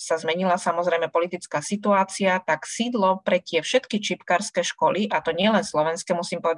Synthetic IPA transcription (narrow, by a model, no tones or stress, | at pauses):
sazmɛɲilasamɔzɾɛjmɛpɔlit̪it͡skaːsit̪uaːt͡siat̪aksiːd̪lɔpɾɛt̪ɪɛfʃɛt̪kit͡ʃipkaːɾskɛʃkɔliʔat̪ɔɲɪɛlɛnslɔʋɛnskɛmusiːmpɔʋɛd̪